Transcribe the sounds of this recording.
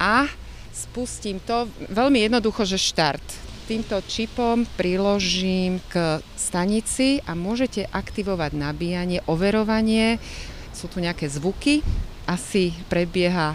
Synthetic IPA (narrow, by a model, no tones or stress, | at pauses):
ʔa | spuscimt̪ɔʋɛʎmijɛd̪nɔd̪uxɔʒɛʃt̪aɾt̪ | t̪ːiːmt̪ɔt͡ʃipɔmpɾilɔʒimk | st̪aɲit͡siʔamʊɔʒɛcɛʔakt̪iʋɔʋaɟnabiːjaɲɪɛʔɔʋɛɾɔʋaɲɪɛ | sut̪uɲɛakɛːzʋukiʔasipɾɛbɪɛɦa